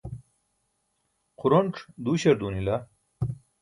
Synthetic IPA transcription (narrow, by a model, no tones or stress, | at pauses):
quɾoɳʈ͡ʂd̪uɕɐɾd̪uːnila